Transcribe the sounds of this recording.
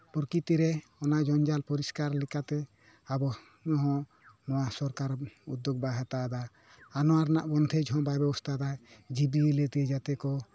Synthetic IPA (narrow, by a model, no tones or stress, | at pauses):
puɾkit̪iɾɛɔnaʔd͡ʒɔnd͡ʒalpɔɾiskaɾlɛkat̪ɛ | abɔ | ɲɔɦɔ̃ | nɔwasɔɾkaɾud̪ːjɔɡ̚baɦat̪ad̪a | anɔwaɾna̰ʔbɔnd̪ʱʰɛd͡ʒɦɔ̃bajbɛbɔst̪ʰad̪ad͡ʒibilɛt̪iɛd͡ʒat̪ɛkɔ